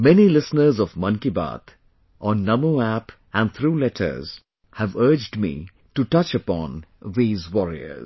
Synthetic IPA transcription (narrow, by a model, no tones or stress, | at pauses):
mɛnilɪsnəɾzɔvmʌ̃nkiba̰ːt̪ʰ | ʔɔ̃nːʌmoæp | æ̃n̚t̪ʰɾuːlɛʈʰə̰ɾz̥ | hæʋəɾd͡ʒɖmḭ | ʈuʈʌt͡ʃəpɔ̰̃ːnðiːzwɔɾḭə̰ɾz